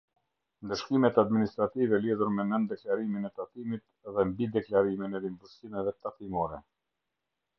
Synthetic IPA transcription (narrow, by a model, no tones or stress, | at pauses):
nd̪əʃkimɛt̪ad̪minist̪ɾat̪ivɛliðuɾmɛnənd̪ɛklaɾiminɛt̪at̪imit̪̚ | ðɛmbid̪ɛklaɾiminɛlimbuʃkimɛvɛt̪at̪imɔɾɛ